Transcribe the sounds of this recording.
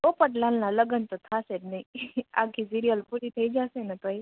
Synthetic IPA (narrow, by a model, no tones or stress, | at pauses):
opəʈlannãləɡənt̪ot̪ʰaset̪nəia̰kʰis̬iɾijəlpuɾit̪ʰəid͡ʒasenat̪oi